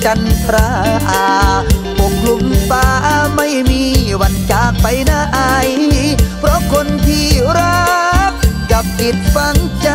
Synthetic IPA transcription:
t͡ɕa˧nt̪ɾaː˧˥ʔaː˧po˨˩k̚ʰlu˧mfaː˧˥ʔa˧ma˥˩jmiː˧wa˧nt͡ɕaː˨˩k̚pa˧jnaː˧˩ʔa˧jpʰɾɔ˦˥kʰo˧nt̪ʰiː˧˩ɾa˧˦˥k̚ka˨˩p̚t̪i˨˩t̪̚fa˧˥ŋt͡ɕa˧

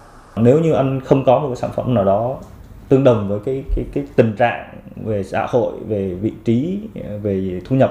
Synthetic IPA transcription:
ne˨˦wɲɨ˧ʔa˧jŋ̟xə˧wŋ͡mkɔ˨˦mo˨˩kaː˨˦saː˧˩fə˧˩mnaː˨˩wɗɔ˨˦t̪ɨ˧əŋɗə˨˩wŋ͡mvəː˨˦jkaː˨˦jkaː˨˦jkaː˨˦jt̪ï˨˩ŋ̟t͡ɕa̰ː˧˨ŋve˨˩sa̰ː˧˥ho̰˧˨jve˨˩vḭ˧˨t͡ɕi˨˦ve˨˩t̪ʰu˧ɲə˨˩p̚

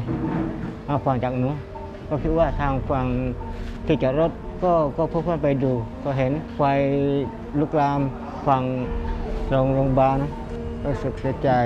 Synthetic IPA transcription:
ʔa˧˩fa˧˩ŋt͡ɕaː˨˩k̚nuː˧˥˦ | kɔː˧˩kʰi˧t̪̚waː˧˩t̪ʰaː˧ŋfa˧ŋt̪ʰiː˧˩t͡ɕa˧˩ɾo˧˥˩t̪̚kɔː˧˩kɔː˧˩pʰɯ˧˨kʰːpa˨jduː˧kɔː˧˩ɦe˨˦nfa˧j | luː˧˥k̚laː˧m | fa˧ŋ | lo˧ŋlo˧ŋbaː˧nɔ˧˥ | ɾuː˧˩sɯ˨˩k̚si˧˦t͡ɕaː˨

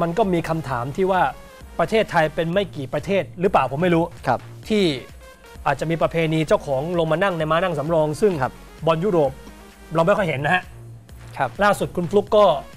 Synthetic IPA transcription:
ma˧nkɔː˥˩miː˧kʰa˧mt̪ʰaː˩˦mt̪ʰiː˥˩waː˥˩ | pɾa˧t̪ʰeː˥˩t̪ʰːa˧jpe˧nma˥˩jkiː˨˩pɾa˧t̪ʰeː˥˩t̪̚ɾɯː˩˦˥plaː˨˩wpʰo˩˦ma˥˩jɾuː˦˥k̚ʰ | t̪ʰiː˥˩ | ʔaː˨˩t̪̚t͡ɕa˨˩ʔmiː˧pɾa˧pʰeː˧niː˧t͡ɕa˥˩wkʰɔː˩˦ŋlo˧ŋmaː˧na˥˩ŋna˧jmaː˦˥na˥˩ŋsa˩˦mɾɔː˧ŋsɯ˥˩ŋ˧p | bɔ˧njuː˥˩ɾoː˨˩p̚ | ɾɔː˧mba˥˩kʰɔ˥˩ɦe˩˦nːa˦˥ha˦˥ʔʰ | laː˥˩su˨˩t̪̚kʰu˧nflu˦˥kːɔː˥˩

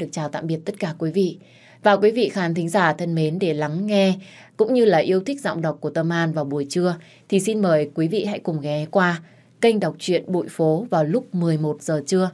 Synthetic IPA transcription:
ɨ˨˩ək̚t͡ɕaː˨˩wt̪a̰ː˧˨mɓi˨˩ət̚t̪ə˦˥t̚kaː˧˩kwi˨˦vḭ˧˨ | vaː˨˩wk̬wi˨˦vḭ˧˨xaː˨˦nt̪ʰï˨˦ŋ̟zaː˧˩t̪ʰə˧nme˨˦nɗe˧˩la˨˦ŋːɛ˧ | kʊ̰˧˥ŋ͡mɲɨ˧laː˨˩ʔi˧əwt̪ʰi˦˥k̚zɔ̰˧˨wŋ͡mɗə˨˩wk͡pku˧˩ət̪ə˧mʔaː˧nvaː˨˩wɓu˨˩əjt͡ɕɨ˧ə | t̪ʰi˨˩si˧nməː˨˩jkwi˨˦vḭ˧˨ɦa̰˧˥jkʊ˨˩ŋ͡mŋɛ˨˩˦kwaː˧ | kə˧jŋ̟ɗa˨˩wk͡p̚t͡ɕwḭ˧˨ənɓṵ˧˨jfo˨˦vaː˨˩wlʊ˦˥k͡p̚mɨ˨˩əjmo˨˩t̚z̥əː˨˩t͡ɕɨ˧ə

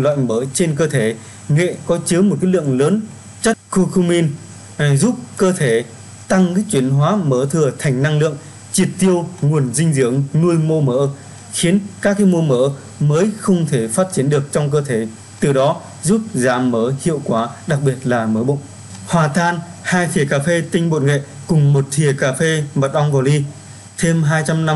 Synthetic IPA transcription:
lwa̰ː˧˨jməː˨˦jt͡ɕe˧nk̬əː˧t̪ʰe˧˩ | ŋḛ˧˨kɔ˨˦t͡ɕɨ˨˦m˨˩t̚kaː˨˦jlɨ̰˧˨əŋləː˨˦n | t͡ɕə˦˥t̚ku˧kʰu˧mi˧n˨ | zu˦˥p̚kəː˧t̪ʰe˧˩ | t̪a˧ŋ˨˦t͡ɕwi˧˩ənɦwaː˨˦məː˧˦t̪ʰɨ˧˩ət̪ʰa˨˩jŋ̟na˧ŋlɨ̰˧˨əŋ | t͡ɕi˨˩p̚t̪i˧əwŋu˨˩ənzï˧ŋ̟zɨ˧˩əŋnu˧jmo˧məː˧˦ | xi˨˦ənkaː˦˥kːaː˨˦jmo˧məː˧˦ | məː˨˦jxə˧wŋ͡mt̪ʰe˧˩faː˦˥t̚t͡ɕi˨˦ənɗɨ˨˩ək̚t͡ɕɔ˧wŋ͡mk̬əː˧t̪ʰe˧˨˦ | t̪ɨ˨˩ɗɔ˨˦ | zu˦˥p̚zaː˨˦mːəː˨˦hḭ˧˨əwkwaː˨˦ɗa˨˩k̚ɓi˨˩ət̚laː˨˩məː˨˦ɓə̰˧˨wŋ͡m | hwaː˨˩t̪ʰaː˧nhaː˧jt̪ʰi˨˩əkaː˧˩fe˧t̪ï˧ŋ̟ɓo̰˧˨nŋḛ˧˨ | kʊ˨˩ŋ͡mmo˨˩t̚t̪ʰi˨˩əkaː˧˩fe˧mə˨˩t̚ʔɔ˧wŋ͡mvaː˨˩li˧ | t̪ʰe˧mɦaː˧jt͡ɕa˧mna˧m

